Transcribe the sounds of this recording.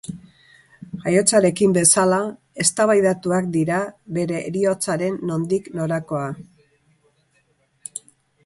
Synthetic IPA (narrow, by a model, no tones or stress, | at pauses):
ajo̞t͡saɾe̞kimbe̞sala | e̞st̪aβajðat̪uak̚d̪iɾaβe̞ɾe̞ɾio̞t͡saɾe̞nːo̞nd̪ikno̞ɾako̞a